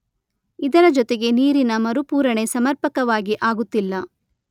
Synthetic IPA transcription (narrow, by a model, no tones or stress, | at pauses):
id̪ɐɾɐd͡ʒɔt̪e̞ɡe̞niːɾinɐmɐɾupuːɾɐɳe̞sɐmɐɾpɐkɐʋaːɡiʔaːɡut̪ːilːɐ